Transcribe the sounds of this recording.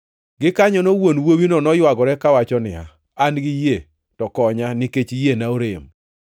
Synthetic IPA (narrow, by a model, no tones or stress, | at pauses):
ɡɪkaɲɔnowonwowinonɔjwaɡɔɾɛkawat͡ʃɔnɪa̰ | anɡɪje | tɔkɔɲanɪket͡ʃjenaoɾem